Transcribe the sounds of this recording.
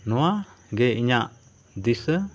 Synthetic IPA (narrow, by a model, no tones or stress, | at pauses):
nɔaɡɛiɲaʔ | d̪isə